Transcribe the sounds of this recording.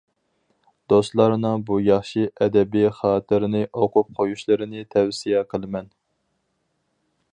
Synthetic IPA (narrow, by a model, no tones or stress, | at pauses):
d̪̥ost̪lˠɑɾnɨŋbujɑχʃiʔɛd̪ɛbiχɑːt̪ʰɨɾɪnɪʔoqʊp̚qʰojuʃlˠɨɾɪnɪt̪ʰɛwsijɛqʰəlˠɨmɛn